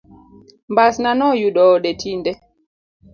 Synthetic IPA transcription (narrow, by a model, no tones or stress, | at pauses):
mbasnanɔjuɗɔɗɛtindɛ